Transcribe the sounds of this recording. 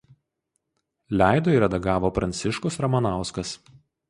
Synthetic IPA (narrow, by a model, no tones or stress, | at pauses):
lʲæˑɪd̪oːiɾɐd̪ɐɡɑːʋoːpɾɐnʲt̪sʲɪʃkʊsɾɐmɐnɑˑʊskɐs